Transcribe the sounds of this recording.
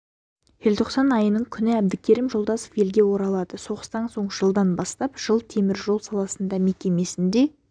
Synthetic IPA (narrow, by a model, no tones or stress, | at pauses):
jelt̪ʰo̞qsɑnɑjənəɴkʲʰʏnɪæbd̪ɪkʲʰeɾimʒolˠd̪ɑso̥fje̞lɡʲe̞wo̞ɾɑlˠɑd̪̥əso̞ʁəst̪ɑnso̞ɴʒəlˠd̪ɑnbɑst̪ɑpʒ̥əlˠt̪ʰe̞mɪɾʒo̞lˠsɑlˠɑsənd̪ɑme̞kʲe̞me̞sɪnd̪e̞